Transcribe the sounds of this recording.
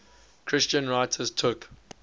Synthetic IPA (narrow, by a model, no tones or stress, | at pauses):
kʰɹɪst͡ʃə̃nɹaɪtʰəztʰʊk